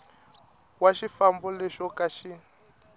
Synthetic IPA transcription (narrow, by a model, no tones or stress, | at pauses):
waʃifambɔlɛʃɔkaʃi